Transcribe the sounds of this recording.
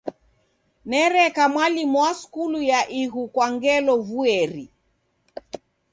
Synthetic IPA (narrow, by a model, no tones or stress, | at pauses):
nɛɾɛkamwalimwaskulujaʔiɣukwaŋɡɛlɔvuɛɾi